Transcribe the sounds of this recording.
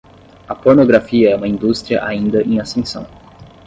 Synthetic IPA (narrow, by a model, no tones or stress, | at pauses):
ɐpoɾnoɡɾafiɐɛũmɐĩnd̪ust̪ɾiɐʔa̰ĩnd̪ɐʔẽasẽsɐ̰̃w̃